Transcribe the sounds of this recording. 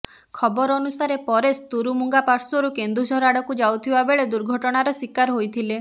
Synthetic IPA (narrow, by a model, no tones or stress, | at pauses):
kʰɔbɔɾɔnusaɾepɔɾest̪uɾumuŋɡapaɾsɔɾukend̪ɾusɔɾaɽɔkud͡ʒawt̪ʰibabeɭed̪uɾɡʱɔʈɔɽ̃aɾɔswikaɾɔɦojt̪ʰile